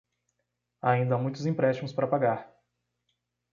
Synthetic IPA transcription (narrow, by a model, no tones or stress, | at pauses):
aĩnd̪ɐamũj̃t̪ʊzĩpɾɛsʃt͡ʃimʊspaɾɐpaɡaɾ